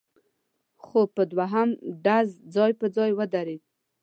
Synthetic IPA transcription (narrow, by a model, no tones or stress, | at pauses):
xopəd̪waɦamɖazd͡zɑjpəd͡zɑjwəd̪aɾed̪̚